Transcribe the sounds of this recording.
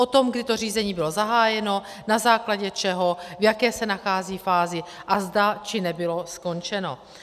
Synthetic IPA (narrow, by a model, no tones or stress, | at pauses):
ʔo̞t̪o̞mɡdɪt̪o̞r̝iːzɛɲiːbɪlo̞zaɦaːjɛno̞ | nazaːklaɟɛt͡ʃɛɦo̞vjakɛːsɛnaxaːziːfaːzɪʔazdat͡ʃɪnɛbɪlo̞sko̞nt͡ʃɛno̞̰